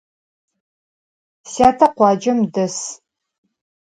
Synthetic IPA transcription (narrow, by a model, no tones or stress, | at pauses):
saːtʰɐqʷɑːd͡ʒɐmdɐs